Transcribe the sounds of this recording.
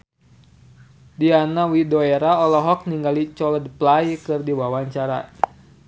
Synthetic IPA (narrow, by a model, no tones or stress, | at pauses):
dianawidoɛɾaɔlɔɦɔk̚niŋɡalit͡ʃɔlədplajkɨrdiwawaɲt͡ʃaɾa̰